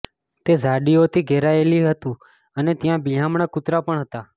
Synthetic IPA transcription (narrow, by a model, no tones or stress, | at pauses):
t̪ezaɖiot̪ʰiɡʱɛɾaeliɦət̪ũ | ənet̪jãbijãmɳakʊt̪ɾapəɳɦət̪a